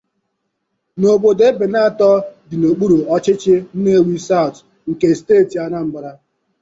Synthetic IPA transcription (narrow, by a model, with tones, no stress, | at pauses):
no˨bo˨de˦be˨na˦a˨tɔ˦dɪ˨no˨k͡pu˦ɾu˨ɔ˦t͡ʃɪ˦t͡ʃɪ˦n̩˦ne˦wi˦sa˦ʊ˨t | ŋ̩˨ke˨steː˦˨ti˨a˦na˦m̩˦bʊ˨ɾa˦